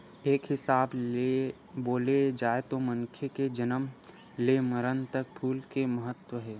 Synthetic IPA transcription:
eːkɦɪsaːb | boːled͡ʒaːet̪omə̃ŋkʰeked͡ʒənəm | leməɾənt̪ɐk̚pʰuːlkemɐɦət̪wəɦɛː

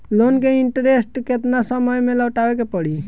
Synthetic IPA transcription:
lonkeiɳʈəɾesʈket̪nasəməjmeləwʈabekepəɽi

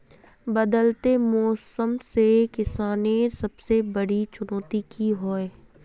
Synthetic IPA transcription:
bɐd̪əlt̪emɔːsəmsekɪsaːnẽsɐbsebɐɽit͡ʃʊnɔːt̪ikiɦoːe

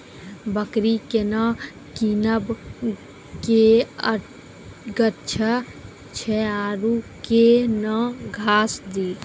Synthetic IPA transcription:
bəkɾikena | kinəb | keə | ɡətːt͡ʃʰə | t͡ʃʰɛaːɾukenəɡʱaːsd̪iːt̪

